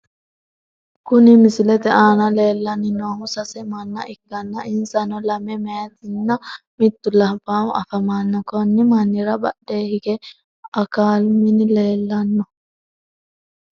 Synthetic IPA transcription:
kʊnɪmɪsɪlɛt̪ɛʔaːnɐle̞ːlːɐnːɪnoːhʊsɐsɛmɐnːɐʔɪɡ̥ːɐnːɐʔɪnsɐnɔlɐmɛmɛjɐt̪ɪnːɐ | mɪt̪ːʊlɐbaːwɐ̰fɐmaːnːɐkɔnːɪmɐnːɪɾɐbɐɗːe̞ːhɪɡɛ | ɐkaːlmɪnɪle̞ːlːɐnːɔ

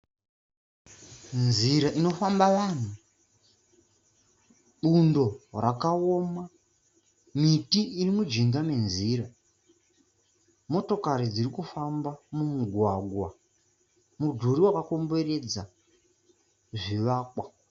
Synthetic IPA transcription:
nziɾaʔino̞fambaʋan̤u | ɓundo̞rakaoma | mitiːrimud͡ʒiŋɡame̞nziɾa | mo̞to̞kaɾid͡zirikufambamumuɡʱwaɡʱwa | mudʱuɾiwakako̞mbe̞re̞d͡za | ʐiʋaːkwa

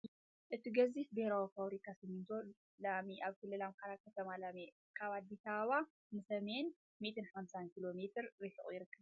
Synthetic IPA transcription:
ʔɨt̪iɡɐzit̪̚beɾawifaβɾikʰasɨmɨnt̪ʰo | lamiʔaβkʰɨlːɨlamkʰaɾakʰːɐt̪ʰɐmalame | kʰaβad̪bisawa | nɨsɐme̞n | mit̪ʰɨnħamsankilo̞met̪ʰɨɾːɨħɨχʼjɪɾɨkːɨβ

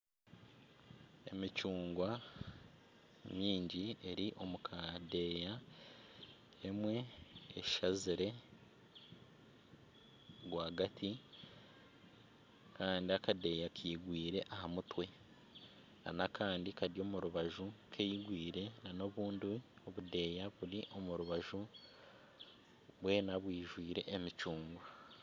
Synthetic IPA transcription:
e̞̰mit͡ʃuːŋɡwa | miːɲɟie̞ɾiʔo̞mukʰade̞ːja | emwe̞ːʃʃaziɾe̞ | ɡwaːɡatʰi | kaːndiakade̞jakʰiːɡwiːɾe̞ʔahamutwe̞ | a̰nakʰaːndikaɾjo̞ːmuɾuβaʒukʰejiɡwiːɾe̞nano̞βuːndio̞βude̞ːjaβuliʔo̞muɾuβaʒu | βwe̞ːnaβwiːʒwiːɾe̞ʔːmit͡ʃuːŋɡoa

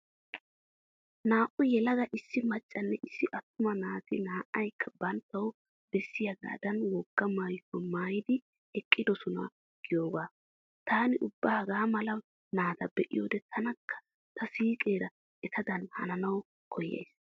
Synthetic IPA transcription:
naːʔʊjɛlɐɡɐʔɪsːɪmɐt͡ʃʼːɐnːɛʔɪsːɪʔɐt̪ːʊmɐnaːt̪ɪnaːʔɐjkʰːɐbɐnt̪ːɐw | bɛsːɪjɐɡa̰ːd̪ɐnwɔɡːɐmaːjkːɔmaːjɪd̪ɪ | ɛkʼːɪd̪ɔsʊnɐ̰ | ɡ̥ɪjoːɡaː | t̪ʰaːnɪʔʊbːɐhɐɡaːmɐlɐ | naːt̪ɐbɛʔɪ̰joːd̪ɛt̪ʰɐnɐkʰːɐ̥ | t̪ʰɐsiːkʼe̞ːɾɐ | ʔɛt̪ʰɐd̪ɐnhɐ̰nɐnɐw | kʰɔjːḛjs

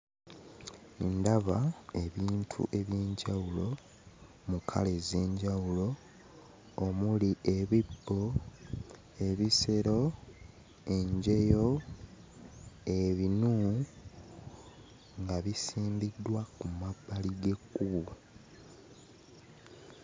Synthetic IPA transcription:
endaβae̞βiːntʰṵʔe̞βjeːɲɟawulo̞ | mukʰa̰le̞zeːɲɟawulo̞ː | muliʔe̞βibːo | e̞βiseɾo̞ | e̞ɲɟe̞jo̞ | eβinu | ŋɡaβisiːmbidːwakumabːaliɡe̞kːuβu

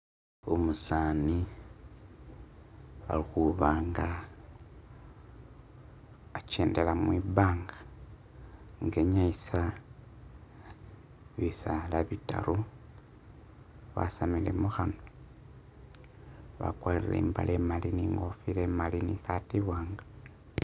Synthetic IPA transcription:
umusaːni | a̰lixuβaːŋɡa | t͡ʃeːndelamwiβaːŋɡḁ | ŋɡe̞ɲaisa | βisalaβita̰ɾu | βa̰samile̞̰muxano | βa̰kwaiilḛːmba̰lʔemaliniŋɡofilemalinisatiβwaːŋɡa

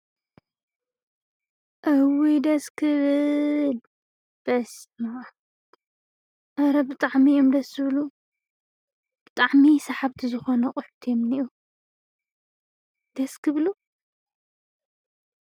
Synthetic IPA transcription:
ʔɐwid̪ɐskʰɨβɨl | b̥ɐsma | ʔɐɾɐbɨt̪ʼaʕmiomd̪ɐsɨβlu | b̥ɨt̪ʼaʕmisɐħaβt̪ʰizɨxonɐqʼʊħt̪ʰijomniʔu | d̪ɐskʰɨβlu

